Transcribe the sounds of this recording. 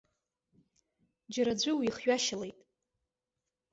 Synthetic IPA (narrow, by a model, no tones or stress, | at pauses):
d͡ʒaɾad͡ʑʷʊwiχɥaʃalejtʼ